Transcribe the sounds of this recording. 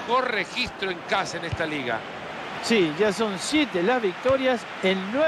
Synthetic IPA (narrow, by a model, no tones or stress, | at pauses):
xoɾrexist̪ɾoẽŋkasaenest̪aliɣa̰ | siʒaso̞nsjet̪elazβik̚t̪oɾjas | enːwe